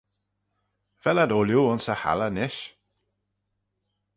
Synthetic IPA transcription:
v̥ɛladoːljuʊnsəha̰lənɪʃ

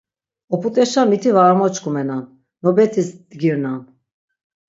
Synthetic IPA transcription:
ɔpʰut̪ʼɛʃamit̪ʰivamɔt͡ʃkumɛnan | nɔbɛt̪ʰisd̪ɡiɾnan

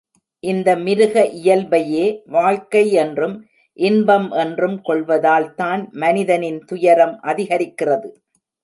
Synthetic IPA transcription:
ʔɪnd̪ɐmɪɾɯɣɐʔɪjɐlbɐjeːʋaːɭkɐɪɛndrɯm | ʔɪnbɐmʔɛndrɯmkɔɭʋɐðaːlt̪aːnmɐnɪðɐnɪnt̪ʊjɐɾɐmʔɐðɪɣɐɾɪkːɪrɐðɯ

